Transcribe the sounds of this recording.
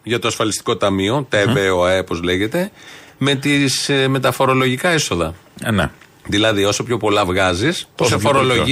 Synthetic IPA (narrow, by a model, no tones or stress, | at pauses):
ʝɐt̪o̞ɐsfɐlist̪i̥ko̞t̪ɐmio̞t̪e̞veoɐepo̞zle̞ʝe̞t̪e̞me̞t̪isme̞t̪ɐfo̞ɾo̞lo̞ʝikɐeso̞ðɐn̰ | ðilɐðio̞so̞pço̞po̞lɐvɣɐzisposefoɾolo